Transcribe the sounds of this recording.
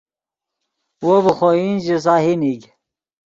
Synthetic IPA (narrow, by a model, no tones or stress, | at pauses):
wobəxoind͡ʑis̬aːhiniɡ